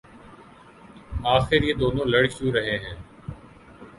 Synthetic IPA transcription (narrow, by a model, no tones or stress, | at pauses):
aːxɪɾjeːd̪oːnõːləɽkjũːɾəɦẽːɦɛ̃ː